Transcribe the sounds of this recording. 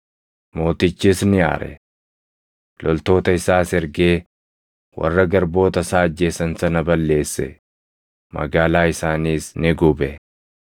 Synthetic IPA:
mo̞ːt̪ɪt͡ʃːiːsnɪja̰ːɾɛ̰ | lɔlt̪o̞ːt̪ɐɪsaːsɪɾɡeː | wʔɐ̰rːɐɡɐɾbo̞ːt̪ɐsaːɐd͡ʒːe̞ːsɐnsɐnɐbɐlːe̞ːsːɛ̰ | mɐ̰ɡaːlaːɪsaːniːsnɪɡʊbɛ

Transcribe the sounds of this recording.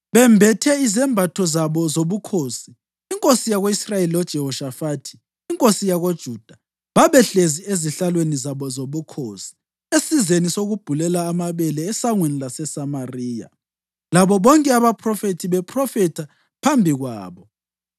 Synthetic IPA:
βɛmbʱɛtʰɛizɛmbʱatʰɔzaβɔzoβukʰoːsiː | ŋkʼosijaɣoisrajeliɔd̥ʒ̥ʱɛɦɔʃafaːtʰi̥ː | ŋkʼosijaɣod̥ʒ̥ʱuːd̥ʱa | βaβɛɬezieziɬalwenizaβɔzoβukʰosi̥ | esizenisoɣub̥ʱulɛlaːmaβɛlɛːsaŋwenilasɛsamariːja̰ | laβɔβɔŋkʼɛaβapʰrɔfetʰiβɛpʰrɔfɛtʰa | pʰambʱiɣwa̰ːβɔ

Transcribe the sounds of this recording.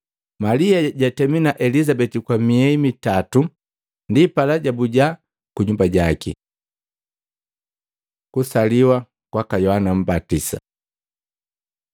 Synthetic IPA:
maliaɟatɛminaʔɛlizabɛtikwamiɛimitatu | ndipalaɟabuɟa | kuɲumbaɟakḭ | kusaliwa | kwakajɔhanam̩batisa̰

